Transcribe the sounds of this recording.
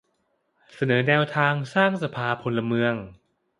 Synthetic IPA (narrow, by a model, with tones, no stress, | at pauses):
sa˧nɤː˩˦nɛː˧wt̪ʰaː˧ŋsaː˥˩ŋsa˧pʰaː˧pʰo˧nla˧mɯ˧əŋ